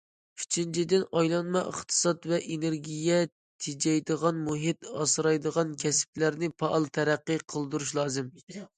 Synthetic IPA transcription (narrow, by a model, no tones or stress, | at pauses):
y̥t͡ʃʰint͡ʃʰid̪ɪnɑjlˠɑnmɑʔə̰χt̪ʰɨ̥sɑt̪vɛʔeneɾɡʲijɛ | t̪ʰed͡ʒɛjd̪əʁɑnmuɦɪt̪ɑ̰sɨɾɑjd̪əʁɑnkʲʰɛsɪ̥plæɾnɪpʰɑʔɑlˠt̪ʰɛɾæqːɨqʰəlˠd̪uɾuʃlˠɑːzɨm